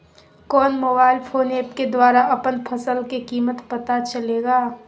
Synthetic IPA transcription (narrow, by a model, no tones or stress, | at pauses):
kɔːnmoːbaːɪlpʰoːneːpked̪waːɾaʔɐpənpʰɐsəlkekiːmət̪pɐt̪at͡ʃɐleːɡaː